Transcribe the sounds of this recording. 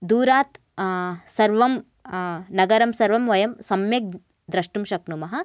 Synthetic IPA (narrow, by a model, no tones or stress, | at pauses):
d̪uːɾaːt̪ | sɐɾʋɐm | nɐɡɐɾɐmsɐɾʋɐmʋɐjɐmsɐmjɐk̚ | d̪ɾɐʂʈumʃɐknumɐɦɐ